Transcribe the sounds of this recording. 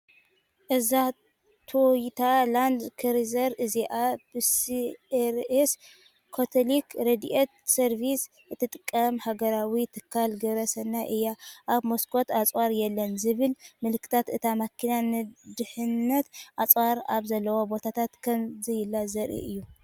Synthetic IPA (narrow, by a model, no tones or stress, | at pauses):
ʔɨza | t̪ʰojt̪ʰaland̪kʰɨɾizɐɾʔɨziʔab̥ɨsieɾes | kʰot̪ʰolikɾed̪iʔet̪̚sɐɾvis | ɨt̪ʰːɨt̪ʼɨkʼːɐmhaɡɐɾawit̪ʰɨkʰːalɡɐβɾɐsɐnːaʔɨjaʔaβmoskʰo̞t̪at͡sʼwaɾjɛlːɐnzɨβɨlmɨlkʰɨ̥t̪ʰat̪ɨt̪ʰamakʰinanɨd̪ɨħɨnːɐt̪ʔat͡sʼwaɾaβzɐlːɐwobo̞t̪ʰat̪ʰat̪kʰɐmzijɪlːazɐɾʔḭʔɨjːu